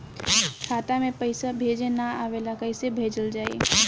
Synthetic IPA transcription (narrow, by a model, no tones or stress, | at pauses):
kʰaːt̪amẽpəɪsabʱeːd͡ʒenaaːʋeːlakəɪsebʱeːd͡ʒəld͡ʒaːḛ